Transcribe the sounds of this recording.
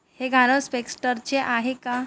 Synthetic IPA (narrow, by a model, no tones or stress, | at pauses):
heɡʱaɽəspeksʈəɾt͡ɕeʔaɦeka